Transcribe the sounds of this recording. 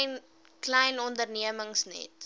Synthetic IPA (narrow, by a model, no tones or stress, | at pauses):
n | klɛjnɔndərniəməŋsnɛ̰t